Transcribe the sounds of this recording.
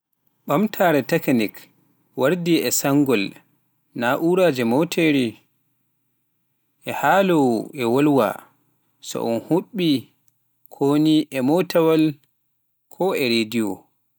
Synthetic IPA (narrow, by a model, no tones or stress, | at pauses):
ɓamtʰaːɾɛtɛknik | waɾdiɛsaŋɡɔl | naʔuɾad͡ʒɛmɔtʰeɾi | ʔɛhaːlɔwʔɛwolwa̰ | sɔ̰ʔɔ̰nhuɓi | kʰoniʔɛmɔtawal | kʰɔɛɾediɔ̰